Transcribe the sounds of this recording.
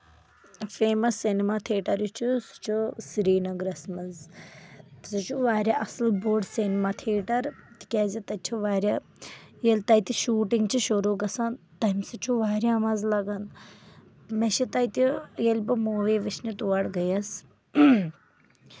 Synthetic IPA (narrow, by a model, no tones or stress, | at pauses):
feːmɐsːinimaːt̪ʰeːʈɐɾjut͡ʃʰusu̥t͡ʃʰusiɾiːnɐɡɾɐsmɐz | sut͡ʃʰuʋaːɾʲaʔɐslboːɖsinimaːt̪ʰeːʈɐɾt̪i̥kʲaːzʲit̪ɐt͡ʃʰuʋaːɾʲja | jelʲt̪ɐjt̪iʃuːʈiŋɡt͡ʃʰiʃoɾoːɡɐsant̪ɐimsɐt͡ʃʰuʋaːɾʲjaːmɐzlɐɡɐn | meʃit̪ɐjt̪ijelʲbɨmoːʋeːʋit͡ʃnit̪uʋɐɽɡɐjɐs